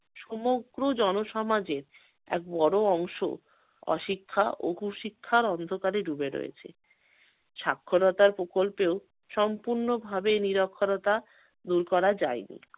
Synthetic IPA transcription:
ʃumoɡɾod͡ʑɔnoʃɔmad͡ʑeɾ | ɛ̰k̚bɔɽoɔŋʃo̰ | ɔ̰ʃikʰːa̰ʔo̰ɦuʃikʰːaɾɔnd̪ʱokaɾeɾubeɾo̰jḛt͡ɕʰḛ | ʃakʰːoɾɔt̪aɾpɾokolpeo | ʃɔmpuɾnobʱabeniɾokʰːoɾot̪a | d̪uɾkɔɾad͡ʑaenḭ

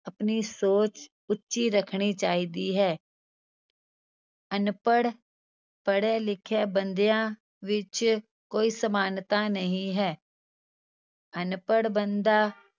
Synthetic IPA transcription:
əpniːsoːt͡ʃ | ʊtːʃiːɾəkʰɽ̃iːt͡ʃaːɦiːd̪iːɦɛː | ənpəɽ | pəɽeːlɪkʰeːbənd̪jãː | ʋɪt͡ʃ | koːiːsəmaːnt̪ãːnəɦĩːɦɛː | ənpəɽbənd̪aː

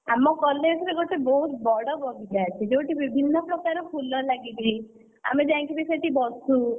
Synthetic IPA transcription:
amɔkɔlesɾeɡoʈebɔɦut̪bɔɽɔbʱɔɡid͡ʒat͡ʃʰid͡ʒewʈibibʱinːɔpɾɔkaɾɔpʰulɔlaɡid͡ʒi | a̰med͡ʒãːŋkibiseʈibɔsũ

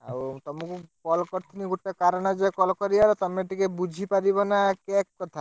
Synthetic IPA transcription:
a̰t̪ɔmukukɔlkɔɾt̪ʰiniɡuʈːekaɾɔnɔd͡ʒekɔlkɔɾiaɾɔt̪ɔmeʈikebud͡ʒʱipaɾibɔnakɛkkɔt̪ʰa

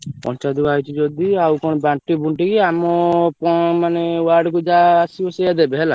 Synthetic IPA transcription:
pɔ̰nt͡ʃad̪uajt͡ʃʰid͡ʒɔd̪iawkɔñɔbaɳʈibuɳʈikiamɔpɔmanewaɾɖkud͡ʒaːsibɔsejad̪ebeɦɛla

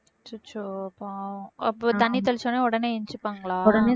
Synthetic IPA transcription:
t͡ʃut͡ʃːopːaɐpːot̪ɐnːit̪ɐlt͡ʃõneːɔɽɐneːɛɲt͡ʃɯpːaːŋɡɐɭaːɔɽɐneː

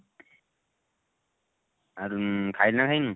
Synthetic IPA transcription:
aɾukʰajlnakʰajnu

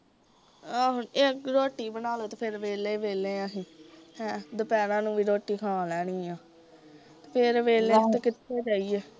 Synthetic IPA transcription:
aːɦʊneːɾoːʈːiːbənaːloːt̪eːpʰɪɾʋeːleːʋeːleːãːɦĩːhɛ̃ːd̪əpɛːnãːnũːʋiːɾoːʈːiːkʰaːlɛːniːãː | t̪e̥ːpʰɪɾʋeːleːt̪ekɪt̪ʰːeːd͡ʒaːiːɛː

